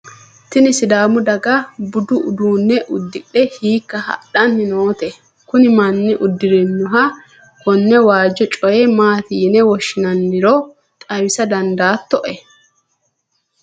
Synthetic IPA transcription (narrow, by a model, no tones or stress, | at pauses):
t̪ɪnɪsɪd̪aːmʊd̪ɐɡɐbʊd̪ʊʔʊd̪uːnːɛʔʊd̪ːɪᶑɗɛhiːkːɐhɐ̰ɗɐnːɪno̞ːt̪ɛ | kʊnɪmɐnːɪʔʊd̪ːɪɾɛnːʊɦɐ | kɔnːɛwaːd͡ʒːɔt͡ʃʼɔjɛmaːt̪iːnɛwɔʃːɪnɐnːɪɾɔ | t̪ʼɐwɪsɐd̪ɐnd̪aːt̪ːɔʔɛ